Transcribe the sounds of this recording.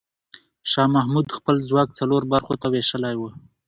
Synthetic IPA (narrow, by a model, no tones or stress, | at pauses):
ʃɑmahmud̪xpəlzwɑk̚t͡saloɾbaɾxot̪aweʃəlajwə